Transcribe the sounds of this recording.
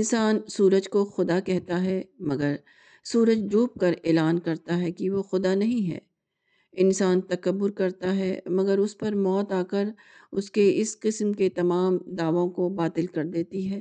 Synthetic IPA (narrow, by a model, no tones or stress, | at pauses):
ɪnsaːnsuːɾəd͡ʒkoxʊd̪akɛɦt̪aɦɛmɐɡəɾ | suːɾəd͡ʒd͡ʒuːp̚kɐɾeːlaːnkɐɾt̪aɦɛkiʋoxʊd̪anɐɦĩɦɛ̰ː | ɪnsaːnt̪ɐkəbːʊɾkɐɾt̪aɦɛ̰mɐɡəɾʊspɐɾmɔːt̪aːkəɾ | ʊskeɪsqɪsmket̪ɐmaːmd̪aːʋõkobaːt̪ɪlkɐɾd̪eːt̪iɦɛː